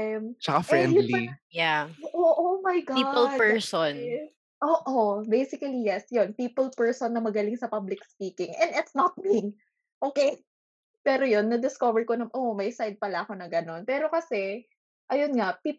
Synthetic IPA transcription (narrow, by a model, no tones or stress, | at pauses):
mt͡ʃɐkafɹɛnj̪lijaoʔoʔomɐjɡailpɛɹson | ʔoːʔobejsɪkɐlijɛsjonpiːpɛlpɛɹsonːɐmɐɡɐlɪŋsɐpablɪkspiːkɪŋʔɛ̃nd̪ɪt̪snɐt̪̚miŋ | ʔoːkej | pɛːɾojonːɐd̪ɪskovɛɹkonɐmʔoʔmɐjsajd̪̚pɐlɐʔɐko̞nɐɡɐno̞npɛːɾo̞kɐsɛ | ʔɐjonŋapi